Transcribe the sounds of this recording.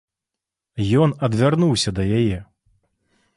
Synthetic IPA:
jɔnɐd̪vʲarnuwsʲɐd̪ɐjajɛ

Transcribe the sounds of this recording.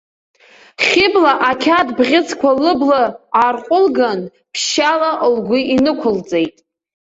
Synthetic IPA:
χʲɪblaʔakʲʰadbʁʲɪt͡sʰkʷʰalɨblɨaːrqʷʼʊlɡan | pʰʃalaʔlɡʷʊinɨkʷʰʊlt͡sʼejtʼ

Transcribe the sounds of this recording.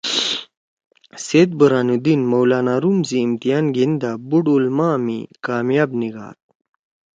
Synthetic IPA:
set̪̚bɐɾaːnud̪inmɐwlaːnaːɾumziːmt̪ijaːnɡind̪abuɽulmamikaːmjaːbniɡa̰ːt̪̚

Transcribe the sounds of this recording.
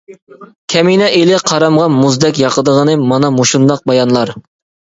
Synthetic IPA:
kʲʰɛminɛʔelɪqʰɑɾɑmʁɑmuzd̪ɛkʲjɑqʰəd̪əʁənɨmɑnɑmoʃund̪ɑq̚bɑjɑnlˠɑɾ

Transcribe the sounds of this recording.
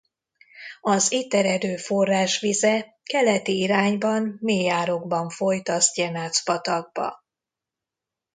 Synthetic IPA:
ɒzit̪ɛɾɛd̪øːfo̞rːaːʃʋizɛ | kɛlɛt̪iiɾaːɲbɒmːeːjaːɾo̞ɡbɒɱfo̞jt̪ɒsɟɛnaːt̪spɒt̪ɒɡ̚bɒ̰

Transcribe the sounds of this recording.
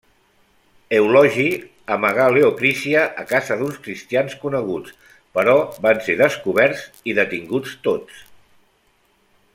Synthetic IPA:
eulɔʒi | əməɣaleokɾisiəʔəkazəðunskɾist̪ianskunəɣ̞ut͡s | pəɾɔβanseðəskuβ̞ɛɾz | iðət̪iŋɡut͡st̪ot͡s

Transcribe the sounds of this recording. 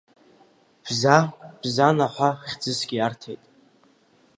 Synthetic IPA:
b̥zab̥zanaħʷaχʲd͡zɨsɡʲijartʰḛjtʼ

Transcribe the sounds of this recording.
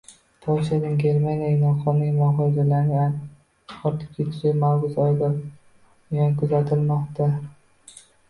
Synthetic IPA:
t̪ʰɒʃanɪŋɡʲe̞ɾmanijanɒqʰɒnɪmaɦɒjd̪alaɾnɪ | ɒɾt̪ʰɪ̥p̚kʰʲet͡ʃ̪ʰɪ̥ʃɪmawɡʊzɒjd̪a | jankʰʊzat̪ʰɪlmɒqt̪a

